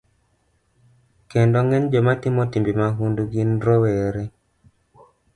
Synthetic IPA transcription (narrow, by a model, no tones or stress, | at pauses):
kendɔŋɛnd͡ʒɔmatɪmɔtimbimaɦunduɡinɾɔwɛɾɛ